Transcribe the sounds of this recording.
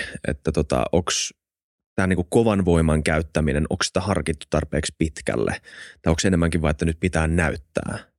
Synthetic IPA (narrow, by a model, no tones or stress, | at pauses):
ʔḛt̪ːæt̪ot̪ɑ̰ʔoks | t̪æːniːŋkukkoʋɑnʋo̞imɑŋkæyt̪ːæmineno̰ksi̥t̪æhɑrkit̪ːu̥t̪ɑrpeːkspit̪kæ̰lːḛt̪ɑjoksenemːæŋkiʋɑiet̪ːænyt̪̚pit̪æːnnæyt̪ːæ̰ː